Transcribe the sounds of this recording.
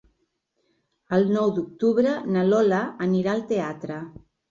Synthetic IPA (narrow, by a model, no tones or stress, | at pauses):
əlˠnɔwd̪uk̚t̪uβɾənəlɔlaːniɾaəlˠt̪eat̪ɾə